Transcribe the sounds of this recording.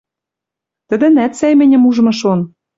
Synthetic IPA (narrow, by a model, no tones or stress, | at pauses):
t̪ə̆d̪ɘ̆næt̪sæjmɘ̆nʲɘ̆muʒ̆mɤ̆ʃon